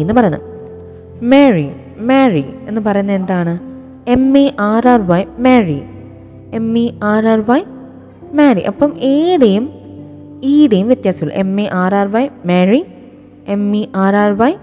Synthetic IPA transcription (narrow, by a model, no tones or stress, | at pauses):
enːɨpɐrɐjunːɐ̰ð | meɻi | meːrie̞nːɨpɐrɐjunːɐe̞nd̪aːɳɨ | e̞mːiʔaːraːrʋɐjmeːri | e̞mːiaːɾaːrʋɐj | maːriʔɐpːɐmeːɽejum | iːɽejumʋjet̪jaːsi̥kulɐ̰ʔe̞mːeʔaːɾaːrʋɐjmeːɻi | e̞miʔaːɾaːrʋaj